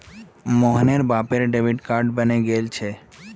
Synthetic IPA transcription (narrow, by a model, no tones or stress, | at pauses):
moɦneɾbapeɾɖebʱiɖkaɾɖbəneɡelt͡ɕʰe